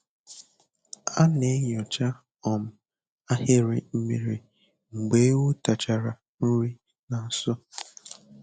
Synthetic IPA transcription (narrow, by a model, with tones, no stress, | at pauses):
a˦ne˨˦ɲ˨ɔ˨t͡ʃa˦ | ɔ˨m̩˨ | a˦he˦ɾɪ˨m̩˦mi˨ɾi˨ | ŋ͡m̩˨ɡ͡be˦wu˦ta˨t͡ʃa˨ɾa˨ | n̩˦ɾi˦ | na˨n̩˦sɔ˦